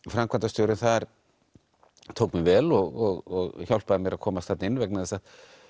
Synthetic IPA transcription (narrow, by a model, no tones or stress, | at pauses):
fɾamkvant̪ast̪jowɾɪnθaðɾ̥ | t̪ʰowkmɪvɛːlɔɣɔɣɔɣçawlpaðamjɛɾaðkʰɔːmast̪aːt̪nɪnːvɛknaθɛsað̥